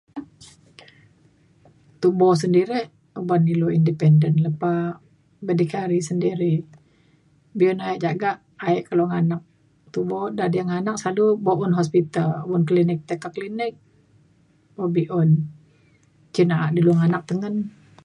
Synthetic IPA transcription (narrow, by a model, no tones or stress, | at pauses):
t̪ubɔs̬əndiɾɛh | ubaniluindipɛndənləpa | bədikaɾisəndiɾi | biɔnaɛʔd͡ʒaɡaʔ | aɛʔkaloŋanak̚ | t̪ubɔdadijaŋanak̚salubɔʔunɦɔspit̪albɔnklinɪk̚t̪əkakːəlinɪk̚ | bɔbiʔɔn | t͡ʃinaʔaʔdiluŋanak̚t̪əŋən